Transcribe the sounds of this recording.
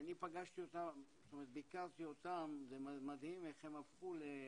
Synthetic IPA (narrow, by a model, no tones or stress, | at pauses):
nipaɡaʃt̪iot̪ast̪omeʁet̪̚bikaʁt̪io̞t̪amzemmad̪himeχhemafχule